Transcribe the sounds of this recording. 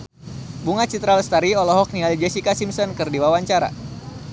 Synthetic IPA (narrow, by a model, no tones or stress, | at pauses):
buŋat͡ʃit̪ɾalst̪aɾiɔlɔɦɔk̚nialid͡ʒɛsikasimsɔnkɨrdiwawaɲt͡ʃaɾa̰